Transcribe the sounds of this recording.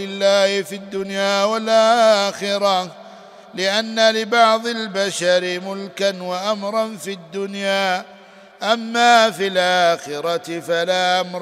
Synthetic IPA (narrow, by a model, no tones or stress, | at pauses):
ɪlːaːhɪfid̪ːʊnjaːwalʔaxɪɾɑ | lɪʔanːalɪbɑʕd̪ˤɪlbaʃaɾɪmʊlkanwaʔamɾˤɑnfid̪ːʊnjaː | ʔamːaːfilʔaːxɪɾɑt̪ɪfalaːʔamɾ